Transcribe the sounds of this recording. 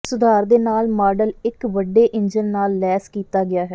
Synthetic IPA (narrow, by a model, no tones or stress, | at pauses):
sʊd̪ʱaːɾd̪eːnaːlmaːɖəlɪkʋəɖːeːʔɪɲd͡ʒənːaːlːɛːskiːt̪aːɡɪaːɦɛː